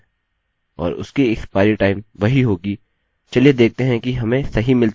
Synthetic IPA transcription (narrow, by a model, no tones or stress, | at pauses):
ɔ̰ːɾʊ̰skiɪkspaːɪɾɪʈaːɪmʋɐɦiɦoːɡiː | t͡ʃɐlied̪eːk̚ʰt̪eɦɛ̃kiɦɐmẽsɐɦimɪlt̪